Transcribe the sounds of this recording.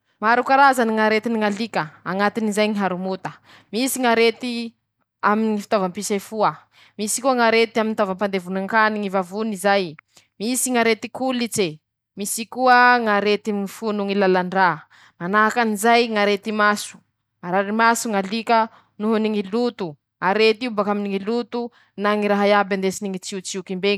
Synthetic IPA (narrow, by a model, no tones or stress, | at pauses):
maɾukaɾazaniŋaɾet̪iniŋalikəaŋat̪inizajŋiɦaɾumut̪ə | misiŋaɾet̪i | aminifi̥t̪ovampisafuə | misi̥kuəŋaɾet̪iaminit̪ovampand̪evunaŋkaniŋivavunizaj | misiŋaɾet̪ikulit͡se | misikuəŋaɾet̪imifunuŋilalaɳɖ͡ʐa | manaɦakanizajŋaɾet̪imasu̥ | aɾaɾimasuŋalikə | nuɦuniŋilut̪u | aɾet̪iubakaminiŋilut̪u | naŋiɾaɦajaband̪esiniŋit͡siut͡siukimbeŋ